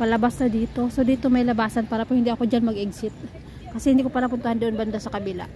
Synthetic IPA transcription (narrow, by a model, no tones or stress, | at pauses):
pɐlɐbasnɐd̪iːt̪o̞sod̪iːt̪omɐjlɐbaːsɐnpaːɾɐpohɪnd̪iɐko̞d͡ʒanmɐɡʔɪɡsɪt̪̚ | kɐsɛhɪnd̪ikopaːɾɐpʊnt̪ʊhand̪oʔonbɐnd̪asɐkɐbɪla̰